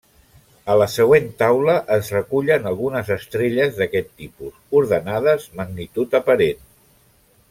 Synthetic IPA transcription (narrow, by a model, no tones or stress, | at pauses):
ələsəɣ̞went̪awləʔəzrəkuʎənəlˠɣunəzəst̪ɾeʎəzðəkɛt̪ːipusuɾðənaðəzməɡnit̪ut̪əpəɾen